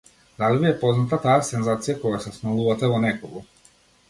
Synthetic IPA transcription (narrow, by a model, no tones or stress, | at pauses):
d̪alivijɛpoznat̪at̪ajasɛnzat̪sijakojasɛsnalˠuvat̪ɛvɔnɛkoɡu